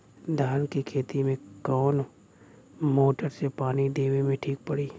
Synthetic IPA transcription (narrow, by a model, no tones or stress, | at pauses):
d̪ʱaːnkikʰeːt̪imẽkɔːn | moːʈəɾsepaːnid̪eːʋimẽʈʰiːk̚pəɽiː